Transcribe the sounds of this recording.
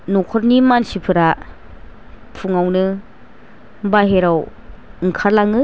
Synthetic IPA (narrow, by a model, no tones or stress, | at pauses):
nokʰɔɾnimansipʰɯɾa | pʰuŋawnɯ | baɦeɾawɯŋkʰaɾlaŋɯ